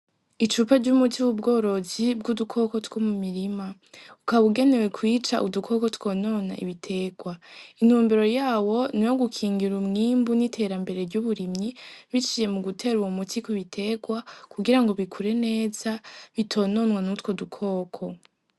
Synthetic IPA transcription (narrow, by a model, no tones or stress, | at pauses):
it͡ʃupaɾɟumutʰiuβub̚ɡo̞ːɾo̞zib̚ɡudukʰo̞ko̞twomumiɾima | ukaβuɡe̞ne̞we̞kwiːt͡ʃaʔudukʰo̞ko̞two̞no̞na̰ḭβitʰe̞ɡ̥wain̥huːmbiɾo̞jaːwo̞nijo̞ɡukʰiːŋɡiɾumŋiːmbunitʰe̞ɾambe̞ɾe̞ɾɟuβuɾimɲiβit͡ʃiːje̞muɡutʰe̞ːɾuwomutʰikuβitʰe̞ɡwakuɡiɾaŋɡo̞βikʰuɾe̞ne̞ːzaβitʰo̞ːno̞nwanutwo̞dukʰo̞ːkʰo̞